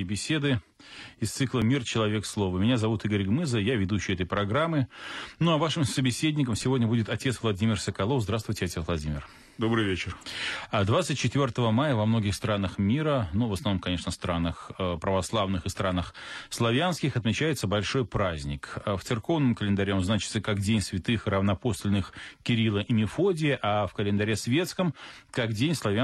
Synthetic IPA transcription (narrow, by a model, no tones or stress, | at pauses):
bʲɪsʲe̞d̪ɨ | ɪst̪sɨklˠəmʲirt͡ɕɪlˠɐvʲe̞kslˠo̞vəmʲɪnʲazɐvut̪iɡəɾʲɡmɨzəjavʲɪd̪uɕːɪjɛt̪̬əjpɾɐɡɾamːɨnuɐvaʂɨmsəbʲɪsʲedʲnʲɪk̬əmsʲɪvo̞dʲnəbudʲɪt̪ɐtʲe̞t̪svlˠɐdʲimʲɪrsəkɐlˠo̞fzd̪ɾast̪vʊjtʲɪɐtʲesvlˠɐdʲimʲɪ̰r | d̪obɾɨjvʲet͡ɕɪrd̪vat̪sɨt̚ʲt͡ɕːɪt̪vʲo̞rt̪əvəmajəvɐmno̞ɡʲɪxst̪ɾanəxmʲiɾənuvəsnɐvnomkɐnʲe̞ʂnəst̪ɾanəxəpɾəvɐslˠavnɨxɨst̪ɾanəxslˠɐvʲanskʲɪxɐt̪mʲɪt͡ɕæjɪt̪səbɐlʲʂo̞jpɾazʲnʲɪkəft̪sɨrko̞vnəmkəlʲɪnd̪ɐɾʲeonznat͡ɕɪ̥t̪səkakdʲenʲsvʲɪt̪ɨxrəvnɐposlʲnɨxkʲɪɾʲilˠəʔɪmʲɪfo̞dʲɪjəʔafkəlʲɪnd̪ɐɾʲesvʲe̞t̪skəmkakdʲenʲslˠɐvʲa